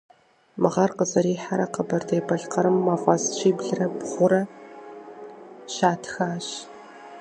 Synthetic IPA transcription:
mɨʁɐrqəzɐɾiːħaɾɐqəbɐrdejbɐɮqɐɾɨmːɐʁʷɐzt͡ʃʷʰiːbɮɨrɐbʁʷʊɾɐ | ʃaːtʰxaːɕ

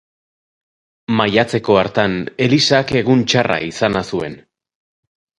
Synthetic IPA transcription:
majat͡se̞ko̞aɾt̪ane̞lisake̞ɣunt͡ʃarʔa̰isanasue̞̰n

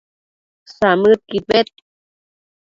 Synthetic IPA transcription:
samɨt̪̚kipet̪̚

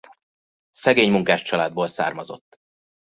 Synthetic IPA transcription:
sɛɡeːɲmuŋkaːʃt͡ʃɒlaːd̪̚boːlsa̰ːrmɒzo̞̰t̪ː

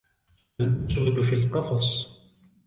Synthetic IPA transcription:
alʔasʕɪd̪fiːlqɑfɑsˤ

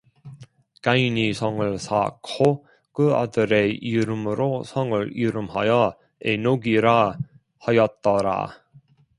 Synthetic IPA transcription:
kainisʰʌŋɯɭsʰa̰kʰo | kɯa̰dɯɾe̞iɾɯmɯɾosʰʌŋɯɭiɾɯmɦajʌ | enoɡiɾa | hajʌt̚t͈ʌɾa̰

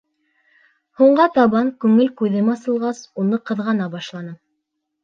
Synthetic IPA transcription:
huɴɢɑt̪ɑβɑŋkʉŋɘlkʉðɘmɑsɤ̆lˠʁɑsunɤqɤ̆ðʁɑnɑbɑʃlˠɑnɤ

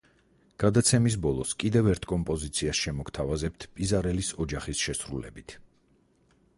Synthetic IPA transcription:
ɡ̥ad̪at̪sʰɛmis̬bɔlˠɔskʼid̪ɛvɛɾt̪ʰkʼɔmpʼɔzit̪sʰiasʃɛmɔkt̪ʰavazɛp̚t̪ʰpʼizaɾɛlisɔd͡ʒaχisʃɛsɾulɛ̰bit̪ʰ

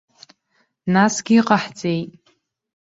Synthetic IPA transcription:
nasɡʲiiqʼaħt͡sʼejtʼ

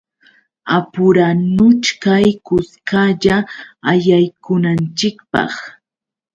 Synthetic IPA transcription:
apʊɾanʊt͡ʃkajkʊskaʎaːjajkʊnant͡ʃɪkpɑ̰χ

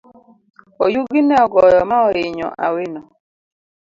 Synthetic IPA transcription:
ɔjuɡinɛɔɡɔjɔmaɔɾɪɲɔ̰ʔa̰wɪnɔ

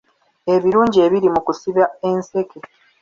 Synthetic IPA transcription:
e̞βiɾuːɲɟie̞βiɾimukusiβae̞nse̞ke̞

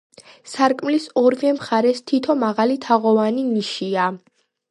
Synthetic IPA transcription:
saɾkʼmlisɔɾvɛmχaɾɛst̪ʰit̪ʰɔmaʁalit̪ʰaʁɔvaniniʃia

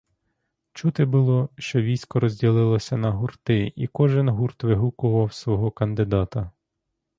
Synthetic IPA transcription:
t͡ʃut̪ɪbʊlˠɔʃt͡ʃɔʋʲijsʲkɔɾɔzʲdʲilˠɪlˠɔsʲɐnɐɦurt̪ɪikɔʒɪnɦurt̪ʋɪɦukʊʋɐwsʋɔɦɔkɐnd̪ɪd̪ɑt̪ɐ

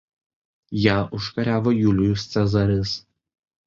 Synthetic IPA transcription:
jæːʔʊʃkɐɾʲæːʋoːjuːlʲʊjʊsʲt̪sʲɛzɐɾʲɪs

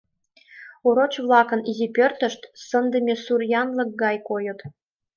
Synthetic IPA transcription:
oɾot͡ɕβlˠɑkə̆nizʲipʲørt̪ə̆ʃt̪sə̆nd̪ə̆mʲesurjɑnlɤ̆k̚ɡɑjkojɤ̆t̪

